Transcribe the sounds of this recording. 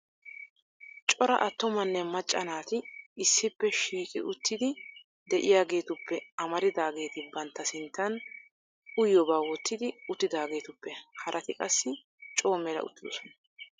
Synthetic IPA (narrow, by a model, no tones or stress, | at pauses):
t͡ʃʼɔɾɐ̰ʔɐt̪ːɔmɐnːɛmɐt͡ʃʼːɐnaːt̪ɪːsːɪpːɛʃiːkʼɪ̰ʔʊt̪ːɪd̪ɪ | d̪ɛʔɪjaːɡe̞ːt̪ʊpːɛɐmɐɾɪd̪aːɡe̞ːt̪ɪbɐnt̪ːɐsɪnt̪ːɐn | ʊjːɔbaːwɔt̪ːɪd̪ɪʊt̪ːɪd̪aːɡe̞ːt̪ʊpːɛhɐɾʔɐt̪ɪkʼɐsːɪ | t͡ʃʼo̞ːmɛlɐ̰ʊ̰t̪ːɪd̪ɔsɔnɐ